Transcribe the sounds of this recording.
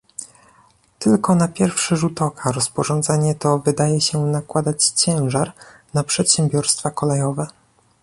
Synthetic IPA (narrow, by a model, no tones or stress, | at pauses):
t̪ɘlkɔnapʲjɛɾfʂɛʐut̪ɔkʰaɾɔspɔʐɔnd̪zaɲɛt̪ɔvɘd̪ajɛɕɛnakwad̪at͡ɕt͡ɕɛ̃w̃ʐaɾnapʂɛt̪ɕɛ̃mbʲjɔɾst̪fakɔlɛjɔvɛ